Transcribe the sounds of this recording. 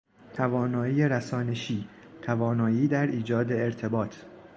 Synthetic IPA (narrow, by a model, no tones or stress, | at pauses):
t̪ʰævɒːnɒːiːjeɾæsɒːne̞ʃiː | t̪ʰævɒːnɒːiːd̪æɾʔiːd͡ʒɒːd̪e̞eɾt̪ʰe̞bɒːt̪ʰ